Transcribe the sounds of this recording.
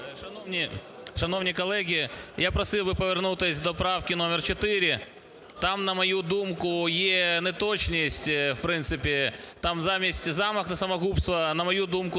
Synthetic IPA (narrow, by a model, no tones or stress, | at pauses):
ʂɐnovnʲiʂɐnownʲɪjkɐlˠɛɣʲɪjapɾɐsɨlˠbɨpɐʋʲɪrnut̪ɪsʲd̪ɔpɾafkʲɪnomʲɪrt͡ɕɪt̪ɪɾʲɪ | t̪amnɐmɐjud̪umkʊjenɛt̪ot͡ɕnʲɪsʲtʲfpɾɪnt̪sɨpʲɪt̪amzamʲɪsʲtʲzamɐxnɐsɐmɐɣupst̪ʋɐnɐmɐjud̪umkʊ